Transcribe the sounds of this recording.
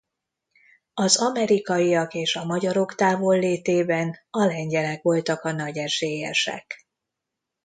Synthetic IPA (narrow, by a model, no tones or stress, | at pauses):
ɒzɒmɛɾikɒjijɒkeːʃɒmɒɟɒɾo̞kt̪aːvo̞lːeːt̪eːbɛnɒlɛɲɟɛlɛkʋo̞lt̪ɒkɒnɒɟɛʒeːjɛ̰ʃɛ̰k